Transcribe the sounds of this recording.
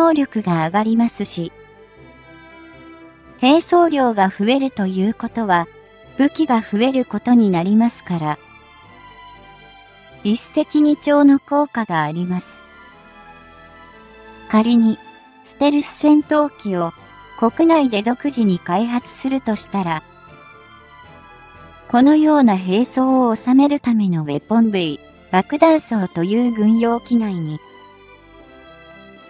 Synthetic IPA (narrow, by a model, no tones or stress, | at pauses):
o̞ːɾʲo̞kɯ̟ɡaːɡaɾʲimasɨɕi | he̞ːso̞ːɾʲo̞ːɡaɸɯ̟e̞ɾɯ̟t̪o̞jɯ̟ːko̞t̪o̞βa | b̥ɯ̟kʲiɡaɸɯ̟e̞ɾɯ̟ko̞t̪o̞ɲ̟inaɾʲimasɨ̥kaɾa | ise̞kʲiɲ̟it͡ɕo̞ːno̞ko̞ːkaɡaːɾʲimasɨ̥ | kaɾʲiɲ̟i | sɨ̥t̪e̞ɾɯ̟sɨ̥sẽ̞nt̪o̞ːkʲio̞ | ko̞kɯ̟naid̪e̞d̪o̞kɯ̟ʑiɲ̟ikaiɦat͡sɨ̥sɨɾɯ̟t̪o̞ɕi̥t̪aɾa | ko̞no̞jo̞ːnaɦe̞ːso̞ːoːsame̞ɾɯ̟t̪ame̞no̞βe̞pːõ̞mbei | b̥akɯ̟d̪ãɰ̃so̞ːt̪o̞jɯːɡɯ̟̃ɰ̃jo̞ːkʲinaiɲ̟i